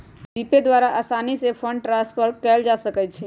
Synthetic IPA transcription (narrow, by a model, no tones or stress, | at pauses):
biːped̪waːɾaʔaːsaːnisepʰə̃ɳɖʈɾãspəɾkɛːld͡ʒasəkɛt͡ʃʰɛ